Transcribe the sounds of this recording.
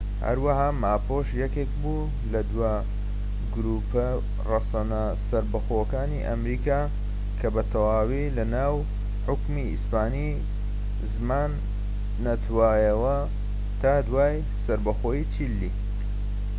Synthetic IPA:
hɐ̰ɾwahaːmaːpʰoʃjɛkek̚bu | lɐd̪waː | ɡʊɾuːpɐ | rɐsɐnɐ | sɐɾbɐxokaːniʔɐmɾiːkaː | kʰɐbɐt̪ʰɐwaːwilɐnaːw | ħʊkmiḭspaːni | zmaːnː | ɐt̪ʰwaːjɐwɐ | t̪ʰaːd̪waːj | sɐɾbɐxoːjit͡ʃʰilːi

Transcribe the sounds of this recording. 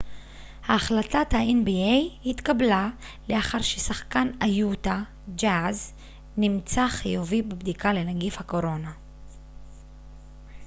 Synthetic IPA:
haːχlatathaenbiejhitkabla | leaχaʁʃesaχkanajuta | d͡ʒaz | nimt͡saχijuvibebdikale̞naɡifhako̞ʁo̞na

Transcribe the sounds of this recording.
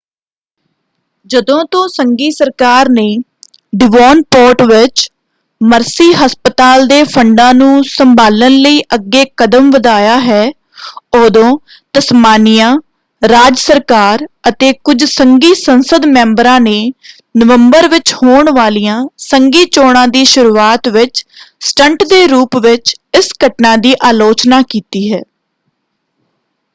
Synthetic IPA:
d͡ʒəd̪õːt̪õːsəŋɡiːsəɾkaːɾneː | ɖɪʋɔːnpoːʈʋɪt͡ʃ | məɾsiːɦəspət̪aːld̪eːpʰəɳɖãːnũːsəmbaːlənləiːʔəɡːeːkəd̪əmʋəd̪aːjaːɦɛː | oːd̪õː | t̪əsmaːnijãː | ɾaːd͡ʒsəɾkaːɾət̪eːkʊd͡ʒsəŋɡiːsənsəd̪mɛ̃ːmbɾãːneː | nəʋəmbəɾʋɪt͡ʃhoːɳʋaːlijãːsəŋɡiːt͡ʃoːɽãːd̪iːʃʊɾuːaːt̪ʋɪt͡ʃsʈəɳʈd̪eːɾuːpʋɪt͡ʃɪsɡʱəʈnãːd̪iːʔaːloːt͡ʃnaːkiːt̪iːɦɛː

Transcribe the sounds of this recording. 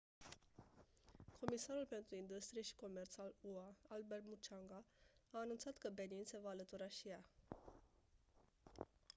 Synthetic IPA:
kʰo̞misaɾulpe̞nt̪ɾuind̪ust̪ɾijeʃi̥ko̞me̞rt̪saluaalbe̞rmut͡ʃaŋɡaaːnunt̪sat̪kəbe̞ninse̞vaːlət̪uɾaʃija

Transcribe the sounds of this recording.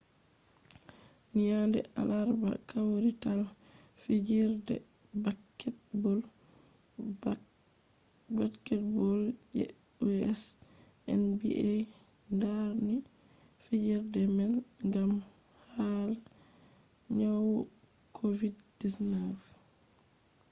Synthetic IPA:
nijandɛ̰ʔalaɾba̰kawɾitalɔ | fid͡ʒiɾdɛ̰ | bakːɛtbɔl | bakːɛt̚bɔljɛ̰ | ɛs | ʔɛ̰nbḭʔe | ndani | fid͡ʒiɾdɛmɛn | ŋɡam | hal | ɲawɔ | kʰovid | disnaf

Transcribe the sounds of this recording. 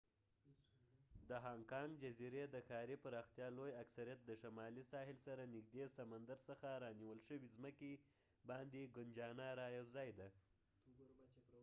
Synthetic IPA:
d̪əɦɑŋkɑŋɡd͡ʒaziɾed̪əxɑɾipəɾɑxt̪jɑlojaksaɾijat̪̚d̪əʃamɑlisɑhɪlsaɾanɪɡ̚d̪esamand̪aɾsəxaɾɑniwəlʃəwizməke | bɑnd̪eɡʊnd͡ʒɑnaɾɑjawzɑjd̪a

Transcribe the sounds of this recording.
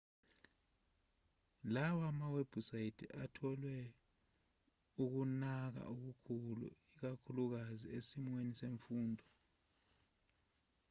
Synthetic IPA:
lawamaweb̥ʱusajidʰḭatʰɔlwɛ | uk̬unak̬a̰uk̬ukʰulṵik̬akʰuluk̬aziesimweniseɱfuːndʱɔ

